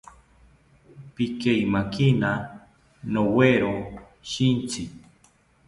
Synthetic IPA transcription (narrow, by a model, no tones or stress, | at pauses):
pikejmakina | noweɾo | ʃint͡si